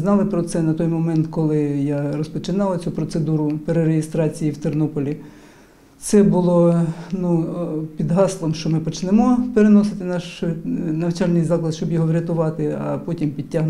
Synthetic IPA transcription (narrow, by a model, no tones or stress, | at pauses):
znɑlˠɪpɾɔt̪sɛnɐt̪ɔjmɔmɛnt̪kɔlˠɪjaɾɔspɔt͡ʃɪnɑlˠɐt͡sʲupɾɔt̪sed̪uɾʊpeɾeɾeɦɪst̪ɾɑt͡sʲijiwt̪ernɔpɔlʲi | t̪sɛbʊlˠɔnupʲid̪ɦɑslˠɔmʃt͡ʃɔmɪpɔt͡ʃnɛmɔpeɾenɔsɪt̪ɪnɑʃʊnɐwt͡ʃɑlʲnʲijʲzɑklˠɐd̪ʃt͡ʃɔbjɔɦɔʋɾʲɐt̪ʊʋɑt̪ɪɐ̰pɔtʲimpʲid̚ʲtʲːaɦn